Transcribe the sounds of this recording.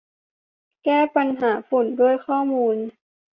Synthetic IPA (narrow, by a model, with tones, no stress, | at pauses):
kɛː˥˩pa˧nɦaː˩˦fu˨˩ndu˥˩əjkʰɔː˥˩muː˧n